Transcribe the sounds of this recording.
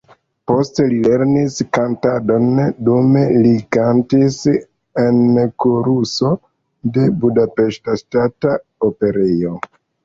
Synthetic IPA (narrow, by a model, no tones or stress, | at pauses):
po̞ste̞lile̞ɾniskantado̞ndumelikantis | e̞nkoɾuso̞ | de̞budape̞ʃtaʃtata | ope̞ɾejo̞